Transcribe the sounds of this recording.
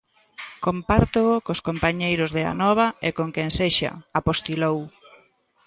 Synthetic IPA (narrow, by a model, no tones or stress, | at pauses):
kompaɾt̪ookoskompaɲejɾʊzðea̰nɔβ̞ɐekoŋkenseʃa̰apost̪ilow